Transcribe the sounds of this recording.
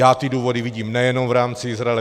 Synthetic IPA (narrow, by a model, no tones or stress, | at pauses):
aːt̪ɪduːvo̞dɪvɪɟiːmnɛjɛno̞mvɾaːmt͡sɪɪzɾaɛlɛ